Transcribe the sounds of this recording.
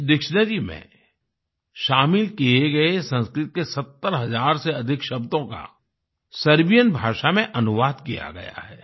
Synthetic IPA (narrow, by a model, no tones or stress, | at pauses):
d̪ɪkʃnəd͡ʒimḛ̃ | ʃaːmɪlkieɡɐesɐ̃nskɾɪt̪̚kesɐt̪ːəɾɦɐzaːɾseɐd̪ʱɪkʃɐbt̪õka̰ | sɐɾbijənbʱaːʃamẽʔɐnʊʋaːd̪kija̰ɡɐ̰ja̰ɦɛ̰ː